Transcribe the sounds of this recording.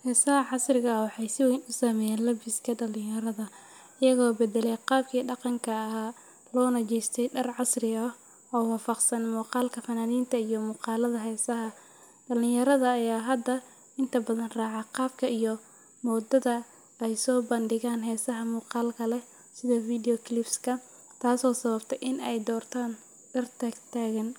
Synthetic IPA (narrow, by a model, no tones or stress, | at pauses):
hɛːsɐhɐʕɑsrɪɣɐwɑħɑjsɪwɛjnʊsɐmɛjɛːnlɐbɪskʰɐdɐlɪ̃jɐɾɐðɐ | ʔɪjɐɣɔːbɛd̪ɛlɛjqɑːb̚kʰiːɖɑqɑŋkʰɐːɦaː | lɔːnɐt͡ʃɛjst̪ʰɛjɖɐrʕɑsrɪɐ | ʔɔːwɑːfɑqsɐnmuːqɑːlkʰɐfɐnaːniːnt̪ʰɐijɔmuːqɑːlɐðɐɦɛːsɐɦɐ | ɖɐlɪjɐɾɐðɐːjaːɦɐd̪ːɐ | ɪnt̪ʰɐbɐðɐnraːʕɑqɑːb̚kʰɐʔijɔ | mɔːd̪ɐðɐ | ɛjsɔːbɐnɖɪɣaːnɦɛːsɐɦɐmuːqɑːlkʰɐlɛ | sɪðɔfiːdɪjɔkʰlɪbskʰɐ | t̪ʰaːsɔːsɐβɐbt̪ʰɛjʔɪnɛjd̪ɔːrt̪ʰaːn | ɖɐrt̪ʰɐɡt̪ʰaːɣɐn